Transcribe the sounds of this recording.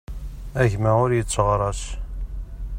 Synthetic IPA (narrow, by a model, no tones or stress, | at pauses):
æʝmæʊɾjət͡sːʁɾˤɑs